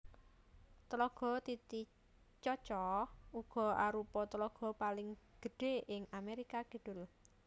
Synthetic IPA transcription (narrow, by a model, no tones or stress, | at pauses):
t̪əlɔɡ̥ɔ̤t̪it̪i | t͡ʃɔt͡ʃɔuɡ̥ɔ̤aɾupɔt̪əlɔɡ̥ɔ̤palɪŋɡ̥ə̤ɖ̥e̤ʔɪŋameɾikaɡ̥ə̤ɖ̥ʊl